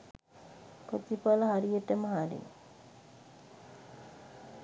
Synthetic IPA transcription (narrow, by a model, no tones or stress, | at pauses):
kot͡ʃipaləɦaɾijəʈəməɦaɾḭ